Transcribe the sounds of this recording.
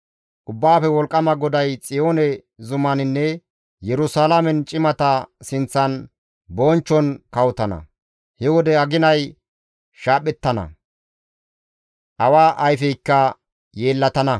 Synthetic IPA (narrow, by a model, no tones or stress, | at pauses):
ʔʊbːaːfɛwɔlkʼːɐmɐɡɔd̪ɐjt͡sʼɪjoːnɛ | zʊmɐnɪnːɛ | jɛɾʊsaːlamɛnt͡ʃʼɪmɐt̪ɐsɪnt͡sːɐn | boːnt͡ʃːɔnkɐwʊt̪ɐnɐ̰ | hɛwɔd̪ɛɐɡɪnɐj | ʃaːpʼːɛt̪ːɐnɐ̰ | ʔɐwaːʔɐjfɛjkːɐ | je̞ːlːɐt̪ɐnɐ